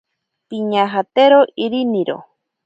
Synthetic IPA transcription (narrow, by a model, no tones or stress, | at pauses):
piɲaɦat̪eɾoʔiɾiniɾo̰